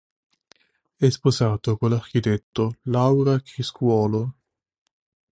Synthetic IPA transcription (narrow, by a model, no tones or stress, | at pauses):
ɛsposaːt̪okolːark̟it̪et̪ːolawɾakɾiskwɔːlo